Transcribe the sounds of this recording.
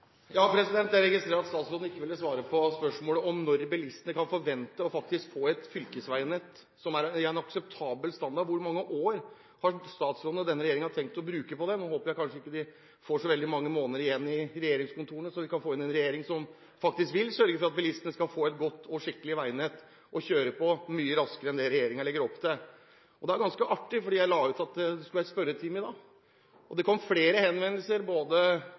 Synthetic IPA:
jɑːpʰɾɛsɪd̪ɛnt̪d̪æɾɛɡɪst̪ɾeːɾɑt̪st̪ɑːt̪sfɔd̪n̩ɪkːəʋɪlːəsʋɑːɾəpʰɔspœʂmoːləʔɔmnɔɾbɛlɪst̪ənəkɑnfɔɾʋɛnt̪əɔfɑk̚t̪ɪskfoːɛt̪fʏlkəsʋæɪnɛt̪ː | sɔmæɾɛæɾɛnɑksɛp̚t̪ʰɑːbəlst̪ɑnd̪ɑɾʋʊɾmɑŋːəʔoːɾ | hɑst̪ɑːt̪sɾoːd̪nəd̪ɛnəɾɛjeːɾɪŋnhɑʈ̪ʰɛŋk̚t̪ɔbɾʉːkəpɔd̪ɛnoːhoːpəɾjæɪkʰɑnʂəɪkːəd̪ɪ | foʂɔʋɛld̪ɪmɑŋːəmoːnəɾɪjɛnːɪɾɛjeːɾɪŋskʰʊnt̪ʰuːɾəɳəsɔʋɪkʰɑnfoːɪnɛnɾɛjeːɾɪŋsɔm | fɑk̚t̪ɪskʋɪlsœɾɡəfɔɾɑt̪̚bɛlɪst̪ənəskɑlfoːɛt̪ɡɔt̪ːɔʂɪkːəlɪʋæɪnɛt̪ | ʔɔçøːɾəpʰɔmyːəɾɑskəɾəɛnd̪ɛɾɛjeːɾɪŋəɭɛɡːəɾɔpːt̪ʰɛ | ɔd̪ɛæɾɡɑnskəʔɑʈːɪfɔɖiːjæɪlɑːʉːt̪ɑt̪d̪ɛsklæspœɾət̪ʰɪmɪd̪ɑː | ʔɔd̪ɛkʰɔmːfleːɾəhɛnʋɛnːəlsəɾboːd̪ə

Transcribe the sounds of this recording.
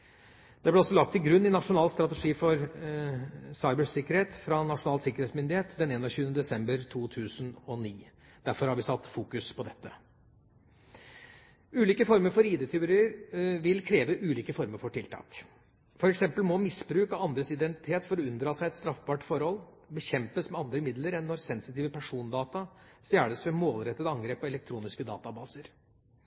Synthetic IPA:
d̪ɛblɛɔsːɔlɑk̚t̪ːɪlɡɾʉnːɪnɑʂʊnɑːlst̪ɾɑt̪ɛʂiːfɔɾ | sɑɪbəsɪkːəɾheːt̪fɾɑnɑʂʊnɑːlsɪkəɾeːt̪smʏnd̪ɪheːt̪d̪ɛneːnɔçʉːənəd̪ɛsɛmbəɾt̪ʰuːt̪ʰʉːsənɔniː | d̪̥æɾfɔɾhɑɾʋɪsɑt̪ːfuːkʉspʰɔd̪ɛt̪ːə | ʉːliːkəfɔɾməɾfɔɾiːd̪eːt̪ʰʏɾɪəɾʋɪlkʰɾeːʋəʔʉːliːkəfɔɾməɾfɔʈʰɪlt̪ʰɑ̰ːk | fɔɾɛksɛmpəlmɔmɪsbɾʉːkɑɑnd̪ɾəsɪd̪ɛnt̪ɪ̥t̪ʰeːt̪fɔɾɔʉnd̪ɾɑːsæɪɛt̪st̪ɾɑfbɑːʈfɔɾhɔl | bəçɛmpəsmɛɑnd̪ɾəmɪd̪ləɾɛnːɔɾsɛnsɪt̪iːʋəpʰæʂuːnd̪ɑːt̪ɑst̪jæːɭəsʋɛmoːlɾɛt̪ːət̪ɑŋɡɾeːpːɔɛlɛkt̪ʰɾuːnɪskəd̪ɑ̰ːt̪ɑbɑːsəɾ

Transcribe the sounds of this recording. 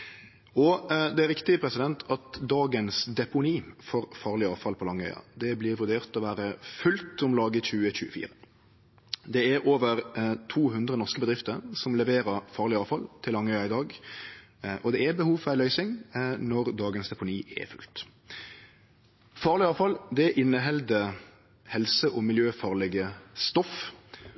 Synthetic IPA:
ɔd̪ɛæɾɪkt̪ɪpʰɾɛsɪd̪ɛnt̪ʰɑt̪d̪ɑːɡənsd̪ɛpʊniːfɔʁfɑːʁlɪɑːʋfɑlpʰɔlɑŋːœʏɑ̰d̪ɛblɪːɾʋʉɾd̪eːʁt̪ɔʋæːɾəfʉlt̪ʊmlɑːɡəçʉːəçʉ̰ːəfḭːɾə | d̪ɛæɾʔoːʋəʁt̪ʰuːɦʉnd̪ʁənɔʁskəbəd̪ɾʁɪft̪əɾsɔmlɛʋeːɾəɾfɑːʁlɪɑːʋfɑlt̪ʰɪlːɑŋːœʏɑɪd̪ɑːɡ | ʔɔd̪ɛɛbəhuːʋfɔʁæɪlœʏsɪŋnɔʁd̪ɑːɡənsd̪ɛpʊniːʔɛ̰fʉ̰lt̪ | fɑːʁlɪɑːʋfɑld̪ɛʔɪnːəɦɛld̪ə | hɛlsəʔɔmɪljøːfɑːʁlɛɡəst̪ɔf

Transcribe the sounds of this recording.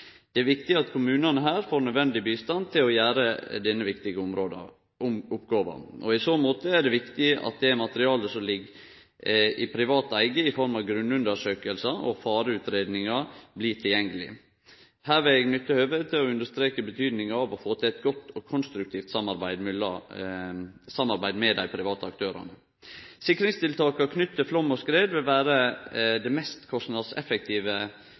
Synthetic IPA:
d̪̥ɛæɾʋɪkt̪ɪɑt̪kʰʊmʉːnɑnəɦæːɾfoːɾnœd̪ʋɛnd̪ɪbiːst̪ɑnt̪ʰɪlɔjæːɾəd̪ɛnːəʋɪkt̪ɪɡəʊmɾod̪ | ʊpɡɑːʋɑ̰ɔɪsoːmoːt̪əæɖɛʋɪkt̪ɪɑ̰t̪̚d̪ɛmɑt̪əɾɪɑːləsɔmlɪɡ | ɪpʰɾɪʋɑːt̪æɪɡəɪfɔɾmɑʋɡɾʉnːʉnd̪əʂøːkəlsɑʔɔfɑːɾəʉːt̪ɾeːd̪nɪŋɑbliːʈʰɪljɛŋːəlɪ̰ | hæːɾʋɪlɛɡnʏt̪ːəhøːʋəd̪t̪ʰɪlɔʉnd̪əʂst̪ɾeːkəbət̪ʰyːd̪nɪŋɑɑʋɔfoːt̪ʰɪlɛt̪̚ɡɔt̪ːɔkʰʊnst̪ɾʉk̚t̪ʰiːft̪sɑmɑɾbæɪd̪mɪlɑ | sɑmːɑɾbæɪd̪mɛd̪æɪpʰɾɪʋɑːt̪əɑk̚t̪ʰøːɾɑ̰nə | sɪkːəɾɪŋst̪ɪlt̪ʰɑːkɑkʰnʏt̪ːəflɔmːɔskɾeːd̪ʋɪlʋæːɾəd̪ɛmɛst̪kʰɔst̪nɑd̪sɛ̰fək̚t̪ʰiːʋə

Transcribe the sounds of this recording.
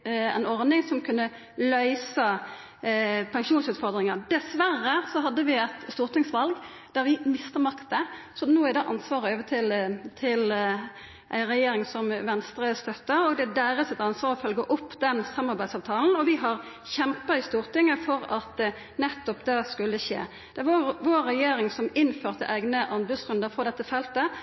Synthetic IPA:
æ̰nɔʁd̪ɪŋsɔmkʰʉnːə | lœʏsɑ | pʰɛŋʂuːnsʉːt̪fɔʁd̪ʁɪŋɑʁd̪̥ɛsʋæɾːəsɔɦɑd̪ːəʋɪɛt̪st̪uːʁt̪ɪŋsʋɑlɡ | d̪̥æɾʋɪmɪst̪əmɑkt̪ə | sɔnoːɪd̪ɑːʔɑ̰nsʋɑːʁəøːʋət̪ʰɪlt̪ʰɪl | ʔæ̰ɪʁɛjeːɾɪŋsɔmʋɛnst̪ɾəst̪œt̪ːəʁɔɡd̪ɛd̪æːɾəsɪt̪ɑnsʋɑːʁɔfœlɡəʔʊpːd̪ɛnsɑmːɑɾbæɪsɑʋt̪ʰɑːln̩ɔʋɪɦɑʁ | çɛmpɑɪst̪uːɾt̪ɪŋːəfɔɾɑt̪ | nɛt̪ːɔpd̪ɛskʉlːəʃḛː | d̪̥ɛʋɑɾʋoːɾːɛjeːɾɪŋsɔmɪnføːʁt̪ə̰ʔæɪɡnəʔɑnbʉsɡɾʉnd̪əɾfɾɔd̪ɛt̪ːəfɛlt̪ə

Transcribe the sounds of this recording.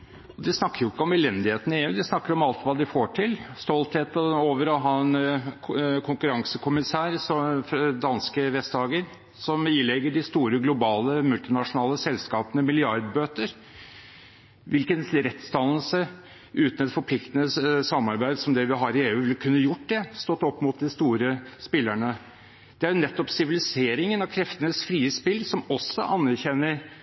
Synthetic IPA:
ɔd̪ɪsnɑkːəɾjʊɪkːəɔmɛlɛnd̪ɪheːt̪n̩ɪeːʉːd̪ɪsnɑkːəɾɔmɑlt̪ʋɑːd̪ɪfoːʈʰɪlst̪ɔlt̪heːt̪oːʋəɾɔɦɑːɛn | kʰʊŋkʉɾɑŋsəkʰʊmɪsæːɾsɔfd̪ɑnskəʋɛst̪d̪ɑːɡəɾ | sɔmɪlɛɡəɖɪst̪uːɾəɡlʊbɑːləmʉlt̪ɪnɑʂʊnɑːləsɛlskɑːpənəmɪlɪɑɾd̪bøːt̪əɾ | ʋɪlkənsɾɛt̪st̪ɑnəl̩sə | ʉːt̪ən̩ɛt̪fɔɾpʰlɪkt̪ənəsɑmːɑɾbæɪd̪sɔmd̪ɛʋɪɦɑɾɪeːʉːʋɪlkʰʉnːəjʊʈːd̪ɛst̪ɔt̪ːɔpːmʊt̪̚d̪ɪst̪uːɾəspɪlːəɳə | d̪̥ɛæjɾʊnɛt̪ːɔpsɪʋɪlɪseːɾɪŋənɑkʰɾɛft̪ənəsfɾiːəspɪlːsɔmɔsːɔ̰ʔɑnːæɾçɛnːəɾ

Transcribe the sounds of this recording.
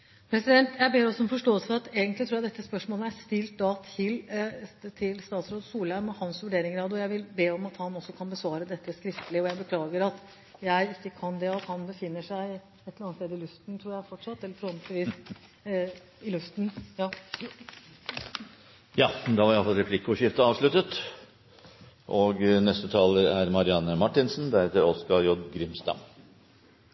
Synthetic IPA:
pʰɾɛsɪd̪ɛnt̪jæɪbeːɾɔsːɔɔmfɔʂʈoːəlsəfɔɾɑt̪eːɡənt̪lɪt̪ʰɾuːjæd̪ɛt̪ːəspœʂmoːləæst̪ɪlt̪̚d̪ɑt̪ʰɪl | t̪ʰɪlst̪ɑːt̪sɾoːd̪suːlæmɔhɑnsʋʉɖeːɾɪŋɾɑːd̪ɔjæɪʋɪlbeːɔmɑt̪hɑnɔsːɔkʰɑnbəsʋɑːɾəd̪ɛt̪ːəskɾɪft̪əlɪəɔjæɪbəkʰlɑːɡəɾɑt̪ | jæɪɪkːəkʰɑnd̪ɛɑt̪hɑnbəfɪnːəʂæɪ | ɛt̪ːəɑnst̪eːd̪əɪlʉft̪n̩t̪ʰɾuːjæfɔʈʂɑt̪ːɛlːəɾfɾɔmt̪ɪʋiːs | ɪlʉft̪n̩jɑː | jɑːd̪ɑʋɑɾɑfɑlɾɛpʰlɪkːʊɕɪft̪əɑːʋʂlʉt̪ət̪ | ʔɔɡnɛst̪ət̪ʰɑːləɾæɾmɑɾɪɑnːəmɑʈːɪnsnd̪æɾɛt̪ːəɾɔskɑɾjɔd̪ɡɾɪmst̪ɑ̰m

